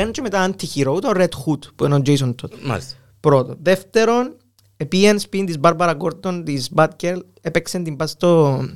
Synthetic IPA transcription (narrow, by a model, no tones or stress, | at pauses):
enut͡ʃemet̪aːnt̪ʰːiçiɾout̪oɾet̪xut̪puenod͡ʒejs̬ont̪ʰot̪a̰ | pɾot̪oðeft̪eɾo̞n | epienspint̪izbɐɾbɐɾɐɡoɾt̪ːont̪isbɐt̪keɾl | epeksent̪imbɐst̪o